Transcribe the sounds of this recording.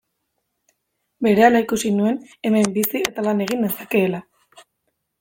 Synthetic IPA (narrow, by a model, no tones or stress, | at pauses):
be̞ɾe̞alaikusinue̞ne̞me̞mbisie̞t̪alane̞ɣ̞ind̪e̞sake̞ːla